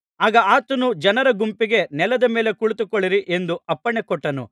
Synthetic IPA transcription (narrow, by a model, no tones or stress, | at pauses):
aːɡɐaːt̪ɐnud͡ʒɐnɐɾɐɡumpiɡe̞nɛlɐd̪ɐme̞ːle̞kuɭut̪ukɔɭiɾiʔe̞nd̪uɐpːɐɳekɔʈːɐnṵ